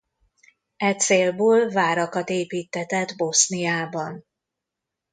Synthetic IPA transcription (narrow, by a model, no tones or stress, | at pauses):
ɛt̪seːlboːlvaːɾɒkɒt̪eːpiːt̪ːɛt̪ɛd̪bo̞snijaːbɒn